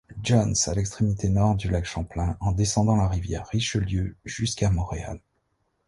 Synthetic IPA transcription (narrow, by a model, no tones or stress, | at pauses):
d͡ʒɔnsalɛkst̪χemit̪ʰenɔʁd̪ylakʃɑ̃plɛ̃ɑ̃d̪esɑ̃d̪ɑ̃laʁivjɛʁːiʃəljøʒ̥yskamɔ̃ʁea̰l